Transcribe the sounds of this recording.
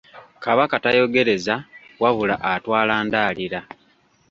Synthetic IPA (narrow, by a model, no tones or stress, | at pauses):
kaβakatajo̞ɡe̞ɾe̞zawaβulaʔatwaːlaːndaːliɾa